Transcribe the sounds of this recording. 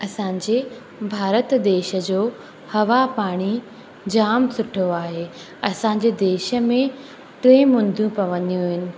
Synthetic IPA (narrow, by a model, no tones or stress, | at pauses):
ɐsãːɲd͡ʑe | bʱaːɾət̪d̪eːʃə̆d͡ʑoː | hɐʋapaːɽ̃i | d͡ʑaːmsʊʈʰoaːɦeː | ɐsãɲ̆d͡ʑed̪eːʃə̆mẽ | ʈɾeːmʊ̃nd̪ʱjũpɐʋɐ̃nijũɦɪnɪ̆